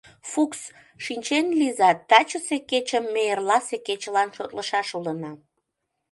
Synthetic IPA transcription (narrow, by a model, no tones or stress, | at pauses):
fuks | ʃinʲt͡ɕenlizɑt̪ːɑt͡ɕəseket͡ɕəmːeerlɑseket͡ɕəlɑnʃot̪ləʃɑʃulənɑ